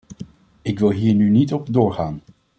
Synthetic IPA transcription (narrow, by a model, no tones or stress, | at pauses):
ɪkʋɪlˠɦiːɹnynitɔpdʊːɹχaːn